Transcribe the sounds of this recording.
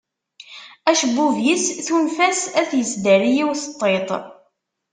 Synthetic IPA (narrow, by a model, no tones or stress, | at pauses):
æʃəbːuvjisθunfæsæθjəsd̪æɾijiwθt̪ˤːet̪ˤ